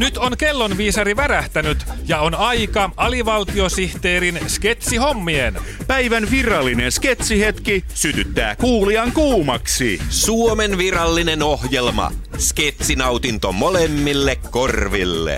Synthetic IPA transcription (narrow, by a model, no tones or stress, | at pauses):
nyt̪onke̞lːo̞nʋiːsɑɾiʋæræht̪ænyt̪jɑonɑjkɑʔɑliʋɑlt̪io̞siht̪eːɾinske̞t̪siho̞mːien | pæjʋænʋirɑlːine̞nsket̪sihet̪kisyt̪yt̪ːæ̰ːkuːliɑŋkuːmɑksḭsuomenʋirɑlːinenohjelmɑ̰ | sket̪sinɑwt̪int̪omolemːilːekko̞rʋilːḛ